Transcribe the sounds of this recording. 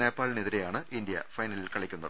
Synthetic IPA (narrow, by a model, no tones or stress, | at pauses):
neːpːaːlineðiɾejaːɳɨʔind̪ijɐ̰fɐjnɐlilkɐɭikʲːunːɐðɨ